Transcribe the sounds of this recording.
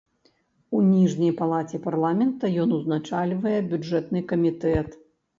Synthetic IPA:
unʲiʐnʲɐjpalˠat͡sʲɛparlˠamʲɛnt̪ɐjɔnuznat͡ʂalʲvɐjɛbʲud͡ʐɛt̪nɨkɐmʲit̪ɛt̪

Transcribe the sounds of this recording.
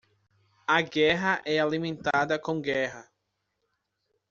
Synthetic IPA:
ɐɡɛɦɐʔɛalimẽnt̪ad̪ɐkõɡɛɦɐ

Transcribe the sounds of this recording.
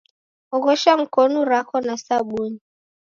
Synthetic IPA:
ɔɣɔʃam̩kɔnuɾakɔnasaɓuni

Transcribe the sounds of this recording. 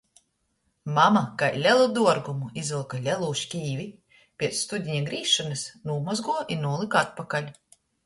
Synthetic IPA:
mamakajlʲɛlˠud̪uɔɾɡumuizilˠkalʲɛlˠuːʃkʲiːvʲi | pʲiɛt̪ssːt̪ud̪ʲiɲʲaɡɾiːʃɔnɨsnuːmɔzɡuɔʔinuːlˠikat̪̚pakalʲ

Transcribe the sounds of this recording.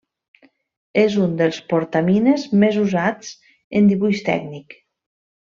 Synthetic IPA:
ezund̪əlˠspoɾt̪aminezmezuzat͡s | end̪iβuʃt̪ɛ̰ɡnik

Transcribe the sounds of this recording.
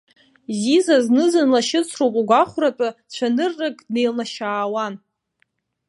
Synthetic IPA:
zizaznɨzɨnlaʃɪt͡sʷʰrowpʼuɡʷaχʷratʷʼat͡ɕʷʰanɨrːakʼnejlnaʃaːwan

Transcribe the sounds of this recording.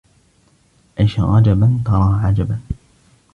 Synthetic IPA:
ʔajʃɣɑd͡ʒabant̪ɑɾˤɑːʕad͡ʒaba

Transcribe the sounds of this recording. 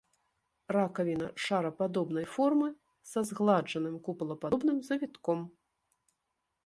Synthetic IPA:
rakɐvʲinɐʂaɾɐpad̪ɔbn̪ɐjfɔrmɨ | sazɣlˠad͡ʐɐnɨmkuplˠɐpaɔbnɨmzɐvʲit̪kɔm

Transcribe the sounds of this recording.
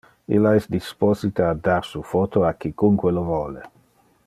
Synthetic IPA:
ḭlːaɛsd̪isposit̪aːd̪arsufɔt̪oakikuŋkwelovɔːle

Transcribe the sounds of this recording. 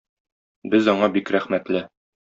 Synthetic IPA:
bɘzɒɴɑbikɾæχmæt̪lɘ

